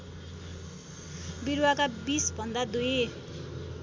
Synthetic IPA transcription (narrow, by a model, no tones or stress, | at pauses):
biɾwakabisbʱʌnd̪ad̪uje